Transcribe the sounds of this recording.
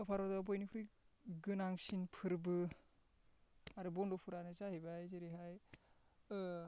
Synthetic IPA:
ɯpʰaɾɔdɔbɔjnipʰɾɯjɡɯnaŋsinpʰɯɾbɯ | aɾɯbɔndɔpʰuɾanɯsahibajziɾiɦaj | ɯ

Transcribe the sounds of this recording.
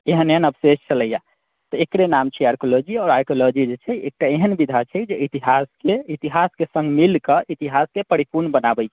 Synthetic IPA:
eɦəneɦənəbsest͡ʃələja | t̪ɔekɽenamt͡ʃʰɛaɾkolod͡ʒiɔːɾajkolɔd͡ʒid͡ʒet͡ʃʰɛḛk̚ʈaeɦənbid̪ʱat͡ʃʰɛd͡ʒeit̪iɦaskeit̪iɦaskesə̃ŋɡʱmilkəʔit̪iɦaskepəɾipuɾnbənabɛjt͡ʃʰɛ̥

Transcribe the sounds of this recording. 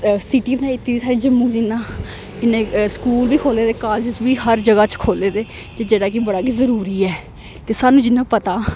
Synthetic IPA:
siʈiːbnãɪt̪ːiːd̪iːsaːɖeːd͡ʒəmːũːd͡ʒɪnãː | ɪnẽːskuːlbiːkʰoːleːd̪eːkaːd͡ʒɪsbiːɦəɾd͡ʒəɡaːt͡ʃkʰoːleːd̪eː | d͡ʒ̪eːd͡ʒeːɽaːk̬ɪbəɽaːk̬izəɾuːɾiːɛː | t̪eːsaːnũːd͡ʒɪnːãːpət̪aː

